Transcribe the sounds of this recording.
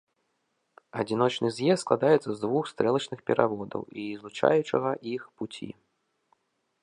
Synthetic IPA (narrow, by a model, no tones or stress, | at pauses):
ɐd͡zʲinɔt͡ʂnɨzʲjɛst̪sklˠad̪ajɛt̪sɐzd̪vuxst̪ɾɛlˠɐt͡ʂnɨxpʲɛɾʔavɔd̪ɐ̰wizlˠut͡ʂa̰jut͡ʂɨɣɐʔixput͡sʲḭ